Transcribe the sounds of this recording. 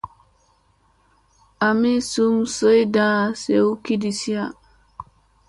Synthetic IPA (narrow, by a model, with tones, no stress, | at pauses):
a˨mi˦su˦msə˦jdã˦˨se˨u˦ki˦di˨si˦a˦